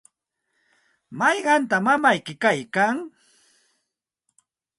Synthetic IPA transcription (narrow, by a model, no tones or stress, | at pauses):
mɑjɢɑnt̪amamajkɪkajkaŋ